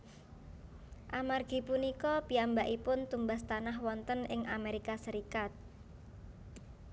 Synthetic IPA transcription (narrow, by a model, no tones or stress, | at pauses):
ʔamarɡ̥i̤punikɔpiambaʔipʊnt̪umbast̪anaɦwɔnt̪ənɪŋameɾikasəɾikat̪̚